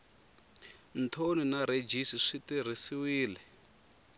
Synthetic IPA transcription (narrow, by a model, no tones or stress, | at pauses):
n̩tʰoninaɾed͡ʒisiʂitir̤isiwiːlɛ